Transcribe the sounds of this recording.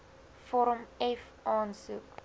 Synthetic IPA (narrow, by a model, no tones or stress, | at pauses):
fɔɾəmɛf | ɑːnsuk